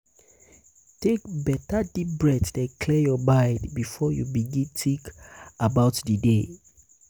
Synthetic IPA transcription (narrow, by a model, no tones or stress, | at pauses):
tek̚bɛtadibɹɛtdɛ̃kʰlɛjɔbaɪdbifɔjubiɡĩntʰikabaʊtdide